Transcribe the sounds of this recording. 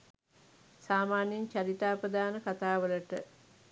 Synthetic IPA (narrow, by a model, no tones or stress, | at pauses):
saːmaːnjiɲt͡ʃaɾit̪aːpɾəd̪aːnəkat̪aːʋələʈə